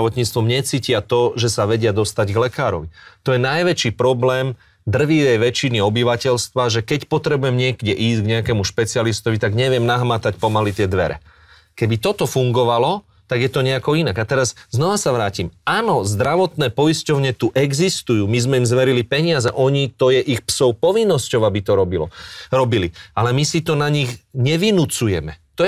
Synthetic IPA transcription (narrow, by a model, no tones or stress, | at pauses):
ʋɔt̪ɲiːt͡st̪ʋɔmɲɛt͡siːcɪat̪ɔʒɛsaʋɛɟɪad̪ɔst̪aɟɡlɛkaːɾɔ̰ʋit̪ɔjɛnajʋɛt͡ʃiːpɾɔblɛːm | d̪r̩ʋitɛjʋɛt͡ʃiniɔbiʋacɛlst̪ʋaʒɛkɛcpɔt̪ɾɛbujɛmɲɪɛɡɟɛʔiːszɡɲɛakɛːmuʃpɛt͡sialist̪ɔʋit̪aɡɲɛʋɪɛmnaɦmat̪acpɔmalit̪ɪɛd̪ʋɛɾɛ̰ | kɛbit̪ɔt̪ɔfuŋɡɔʋalɔ | t̪aɡjɛt̪ɔɲɛakɔinaɡat̪ɛɾazznɔʋasaʋɾaːcimaːnɔzd̪ɾaʋɔt̪nɛːpɔjiscɔʊɲɛt̪uʔɛɡzist̪ujuːmizmɛimzʋɛɾilipɛɲɪazɛʔɔɲit̪ɔjɛʔixpsɔʊpɔʋinːɔscɔʊabit̪ɔɾɔbilɔ̰ɾɔbilialɛmisit̪ɔnaɲiɣɲɛʋinut͡sujɛmɛt̪ɔɛ